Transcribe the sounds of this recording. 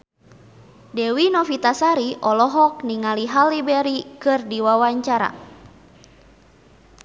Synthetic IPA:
dɛwinɔfit̪asaɾiʔɔlɔɦɔk̚niŋaliɦalːibɛɾikɨrdiwawaɲt͡ʃaɾa̰

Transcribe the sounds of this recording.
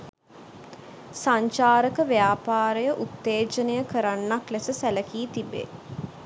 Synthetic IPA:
saɲt͡ʃaːɾəkəʋejaːpaːɾəjəʔut̪ːeːt͡ʃənəjəkəɾanːaklesəsæləkiːt̪ibḛː

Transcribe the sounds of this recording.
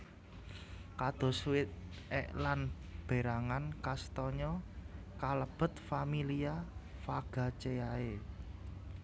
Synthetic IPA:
kad̪̥ɔ̤swɪt̪̚ɛ̰ʔlanb̥e̤ɾaŋankast̪ɔɲɔkaləb̥ə̤t̪̚familiafaɡ̥a̤t͡ʃeae

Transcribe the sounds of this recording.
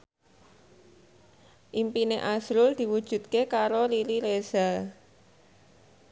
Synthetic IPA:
ʔimpineʔasɾʊld̪̥i̤wud̥ʒ̥ṳt̪̚kekaɾoliɾiɾeza

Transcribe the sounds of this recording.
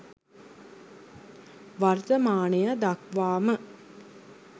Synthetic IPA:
ʋart̪əmaːnəjəd̪akʋaːmə

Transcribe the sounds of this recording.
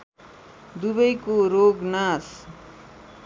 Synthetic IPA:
d̪uβʌjkoɾoɡnas

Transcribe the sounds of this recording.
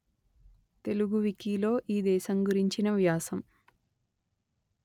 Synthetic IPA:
t̪e̞luɡuʋikiːlo̞ːʔiːd̪ɛːʃɐmɡuɾiɲt͡ʃinɐʋjaːsɐm

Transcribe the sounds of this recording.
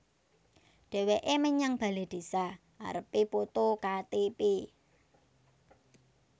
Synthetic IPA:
ɖ̥e̤weʔeməɲaŋb̥ä̤led̪̥e̤sa | a̰ɾəpipot̪okat̪epe

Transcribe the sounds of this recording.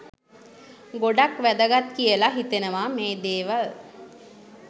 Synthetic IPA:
ɡoɖakʋæd̪əɡat̪kijəlaɦit̪enəʋameːd̪eːʋal

